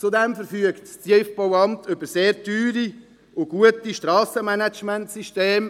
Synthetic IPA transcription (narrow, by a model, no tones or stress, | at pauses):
t͡sudɛmfəɾfyəktssjɛfb̥owɑmtʏbəɾseːɾtyːɾi | ʊɡ̥uətiʃtɾɑːsəmænæt͡ʃmæntsiʃteːm